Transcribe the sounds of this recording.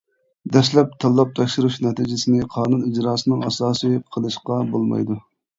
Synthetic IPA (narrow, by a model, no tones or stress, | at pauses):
d̪ɛʃlɛp̚t̪ʰɑlˠːɑp̚t̪ʰɛkʲʃuɾuʃnɛt̪ʰid͡ʒɪsɪnɪqʰɑːnunid͡ʒɾɑːsɨnɨŋɑsɑːsɨjqʰəlˠɨʃqɑbolˠmɑ̰jd̪u